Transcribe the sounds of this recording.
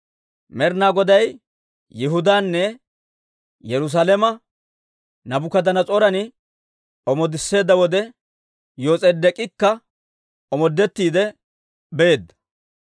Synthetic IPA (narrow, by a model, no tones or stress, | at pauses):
mɛɾnaːɡɔd̪ɐjː | ɪɦʊd̪aːnːɛ | jɛɾʊs̬aːlɛmɐ | nɐbʊkɐd̪ɐnɐt͡sʼɔɾɐnɪ | ɔmɔd̪ɪsːe̞ːd̪ːɐwɔd̪ɛ | jo̞ːt͡sʼeːd̪ɛkʼɪkːɐ | ɔmɔd̪ːɛt̪ːiːd̪ɛ | beːd̪ːɐ̥